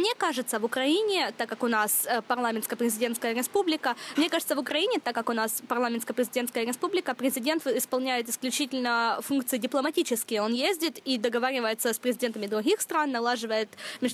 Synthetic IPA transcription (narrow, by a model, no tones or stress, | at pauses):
mnʲekaʐɨt̪səvʊkɾɐinʲɪt̪akːakʊnasəpɐrlˠamʲɪnskəpɾʲɪzʲɪdʲe̞nskəjəɾʲɪspublʲɪkəmnʲekaʐɨt̪səvʊkɾɐinʲɪt̪akːakʊnaspɐrlˠamʲɪnskəpɾʲɪzʲɪdʲet̪kəjəɾʲɪspublʲɪkəpɾʲɪzʲɪdʲe̞nt̪ɪspɐlˠnʲæjɪt̪ɪ̥sklʲʉt͡ɕitʲɪlʲnəfunk̚t̪sɨjɪdʲɪplˠəmɐtʲit͡ɕɪskʲɪjo̞njezʲdʲɪt̪id̪əɡɐvaɾʲɪvəjɪt̪səspɾʲɪzʲɪdʲent̪əmʲɪd̪ɾʊɡʲixst̪ɾanːɐlˠaʐɨvəjɪt̪mʲɪʐ